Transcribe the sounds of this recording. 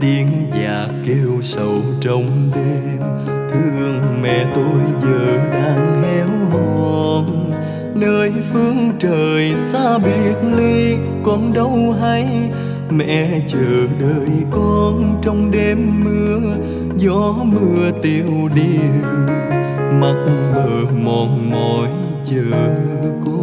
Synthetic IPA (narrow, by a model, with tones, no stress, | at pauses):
t̪i˧˩əŋzaː˨˩ | ke˧wsə˧˩w | t͡ɕə˧wŋ͡mɗe˧ | m | t̪ʰɨ˧əəŋmɛ̰˧˨t̪o˧jzəː˨˩ɗaː˧ŋhɛ˧˦wlɔ˨˩n | nəː˧jfɨ˧əŋt͡ɕəː˨˩jsaː˧ɓi˧˨˩ət̚li˧ | kɔ˧˥nɗə˧˦wɦa˧j | mɛ̰˧˨t͡ɕəː˨˩ɗəː˨˩jkɔ˧nt͡ɕɔ˧wŋ͡mɗe˧mːɨ˧ə | zɔ˧˦mɨ˧ət̪i˨˩əwɗi˧ | ma˨˩t̚məː˨˩mɔ˨˩nmɔ˨j | t͡ɕəː˨˩˧kɔ˧